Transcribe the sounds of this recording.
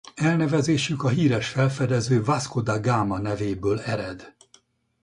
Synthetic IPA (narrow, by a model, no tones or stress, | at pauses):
ɛlnɛvɛzeːʃykɒɦiːɾɛʃfɛlfɛd̪ɛzøːvaskod̪aɡaːmɒnɛveːbøːlɛɾɛd̪